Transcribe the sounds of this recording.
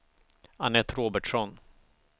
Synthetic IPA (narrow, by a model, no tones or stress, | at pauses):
anɛt̪ːɾoːbəʈʂɔn